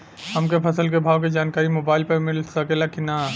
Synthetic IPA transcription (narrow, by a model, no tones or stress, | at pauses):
hɐmkepʰɐsəlkebʱaːʋked͡ʒaːnkaːɾimoːbaːɪlpɐɾmɪlsɐkelakinaː